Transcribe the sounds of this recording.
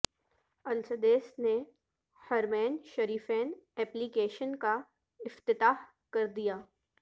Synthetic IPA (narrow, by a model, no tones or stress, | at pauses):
ɐlsəd̪eːsne | hɐɾmɛːnʃɐɾiːfɛːnɛːplikeːʃənka | ɪft̪ɪt̪aːh | kɐɾd̪ijaː